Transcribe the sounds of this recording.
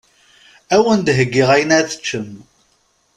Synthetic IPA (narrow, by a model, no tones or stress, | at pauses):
æwənd̪ɦəɡːiʁæjnæθə̥t͡ʃːəm